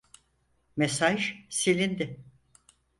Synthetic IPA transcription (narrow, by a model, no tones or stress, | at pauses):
mesaʒsilʲind̪ɪ